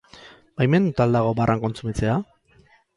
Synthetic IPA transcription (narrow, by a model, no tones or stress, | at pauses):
bajme̞nd̪ut̪ald̪aɣ̞o̞barʔaŋko̞nt͡sumit͡sea